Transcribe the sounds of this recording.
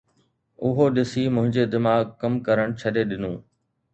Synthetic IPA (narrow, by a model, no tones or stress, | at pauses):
ʊɦoɗɪsimʊ̃ɦɪ̃ɲd͡ʑed̪ɪmaːɡkɐmkɐɾəɽ̃t͡ɕʰɐɗeɗɪnũː